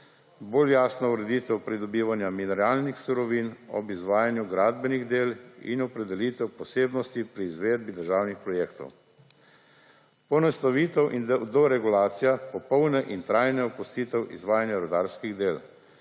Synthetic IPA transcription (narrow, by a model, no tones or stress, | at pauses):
boːljaːsnɔuɾɛd̪iːt̪ɛwpɾid̪ɔbiːʋanjaminɛɾaːlnixsuɾɔʋinɔ̰bizʋaːjanjuɡɾaːd̪bɛniɣd̪eːlḭnɔpɾɛd̪ɛliːt̪ɛwpɔseːbnɔst̪ipɾiːzʋeːd̪̚bid̪əɾʒaːwnixpɾɔjeːkt̪ɔ̰w | pɔnɛst̪aʋiːt̪ɛwʔind̪ɔɾɛɡulaːt̪sijapɔpɔwnɛʔint̪ɾaːjnɛɔpust̪iːt̪ɛwʔḭzʋaːjanjaɾɔd̪aːɾskiɣd̪eːl